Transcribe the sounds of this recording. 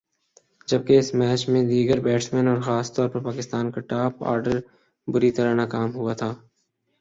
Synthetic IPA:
d͡ʒɐb̚keɪsmɛːt͡ʃmẽd̪iːɡəɾbɛːʈsmɛ̃ːnɔːɾxaːst̪ɔːɾpɐɾpaːkɪst̪aːnkaʈaːpa̰ːɾɖəɾ | bʊɾit̪əɾanaːkaːmɦʊat̪ʰaː

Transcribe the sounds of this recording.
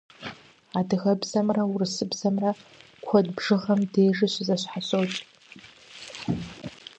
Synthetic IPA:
adɨɣɐbzɐmrɐʊrɨsɨbz̥ɐmrɐ | kʷʰɔdbʐɨʁɐmdeːʐɨɕɪzɐɕħaɕowt͡ʃʼ

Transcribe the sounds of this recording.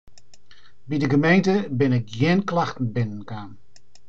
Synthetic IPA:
bidəɡəmejntəbɪnɪkjɪːnklaxtn̩bɪnənkaːn

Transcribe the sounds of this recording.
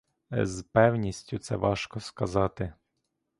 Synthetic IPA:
zpɛwnʲisʲtʲʊt̪sɛʋɑʃkɔskɐzɑt̪ɪ

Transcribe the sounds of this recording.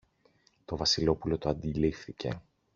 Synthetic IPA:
t̪o̞vɐsilo̞pulo̞t̪oɐnd̪ilifθice̞̰

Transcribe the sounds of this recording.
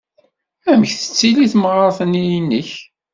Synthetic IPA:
æmçθə̥t͡sːiliθmʁəɾˤθənijinːəç

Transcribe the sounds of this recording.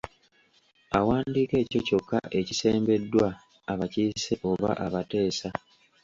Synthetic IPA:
awaːndiːke̞ːco̞co̞kːa̰ʔe̞cise̞ːmbe̞dːwaː | βaciːse̞ʔo̞βa̰ʔaβate̞ːsa

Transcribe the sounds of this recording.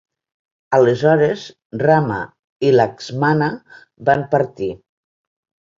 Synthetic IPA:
alezɔɾez | rama̰ | ilakzmana | bampaɾt̪i

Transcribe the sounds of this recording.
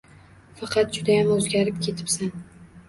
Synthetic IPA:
fɑqʰɑt̪̚d͡ʒʊd̪ajamɵzɡʲaɾɪp̚kʲʰe̞t̪ʰɪ̥psan

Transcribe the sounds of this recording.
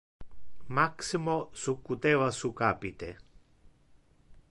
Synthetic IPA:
maksimosukːut̪eʋasukapit̪ɛ

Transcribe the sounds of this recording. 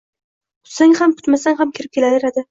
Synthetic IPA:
ʊ̥t̪saŋhamkʰʊ̥t̪masaŋʲhamkʲʰɪɾɪp̚kʲelaɾeɾad̪ɪ

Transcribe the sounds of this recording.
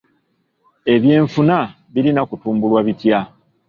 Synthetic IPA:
e̞βje̞ːɱfuna | βiɾinakutuːmbulwaβitja

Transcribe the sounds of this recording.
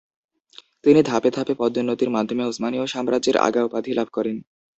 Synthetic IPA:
t̪inid̪ʱaped̪ʱapepɔd̪ːonːot̪iɾmad̪ʱːomeusmanioʃamɾad͡ʑeɾa̰ɡaopad̪ʱilabʱkɔɾen

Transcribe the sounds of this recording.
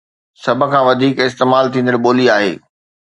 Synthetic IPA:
sɐbʱə̆kʰãːʋɐd̪ʱiːkɪst̪eːmaːlt̪ʰĩːn̆d̪əlɓoːliaːɦḛː

